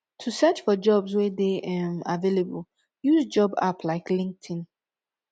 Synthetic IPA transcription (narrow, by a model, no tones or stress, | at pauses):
tʰusɛt͡ʃfɔd͡ʒɔbswɛðeʔɛmavelebəl | juzd͡ʒɔba̰pʰlaɪklĩŋk̚tʰĩn